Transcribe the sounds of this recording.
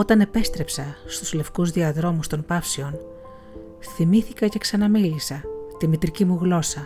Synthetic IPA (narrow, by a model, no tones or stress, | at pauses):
o̞t̪ɐne̞pe̞st̪ɾe̞psɐst̪u̥sle̞fkuzðiɐðɾo̞must̪o̞mpɐfsio̞n | θimiθikɐce̞ksɐnɐmilisɐt̪imit̪ɾicimuɣlo̞sɐ